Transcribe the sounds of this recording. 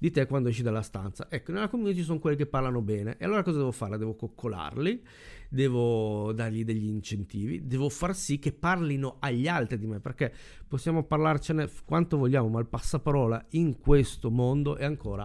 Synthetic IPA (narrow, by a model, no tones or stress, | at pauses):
d̪it̪ekːwand̪oɛʃid̪alːast̪a̰nt̪sa̰ʔɛkːonelːakomːunit̪̬it͡ʃis̬oŋkwelːik̬epːarlanobɛːnḛʔealːoːɾakɔːzadɛːvofarlad̪ɛːvokokʰːola̰rli | d̪ɛːvod̪arʎid̪eʎːiːnt͡ʃent̪iːvḭd̪ɛːvofarsikːepːarlinoaʎːalt̪ɾid̪imepːerke | posːjaːmoparlart͡ʃenekwant̪ovoʎːaːmomalpasːapaɾɔːla̰iŋkwest̪omond̪oʔɛaŋkʰoːɾa̰